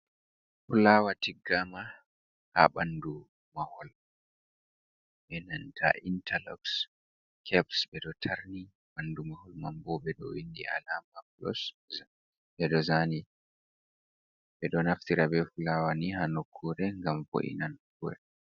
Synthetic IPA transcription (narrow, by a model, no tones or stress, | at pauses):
fulawatiɡːama | ha̰ɓandu | mahɔl | ɓɛnantʰa̰ʔintalɔ̰ks | kʰɛbsɓɛɗɔtʰaɾni | ɓandumahɔlmambɔbɛɗɔ̰windḭʔa̰lamaplɔ̰s | ɓɛɗɔzani | ɓɛɗɔnaftiɾabɛfulawanihanokʰːuɾɛŋɡamvo̰ʔḭnankuɾɛ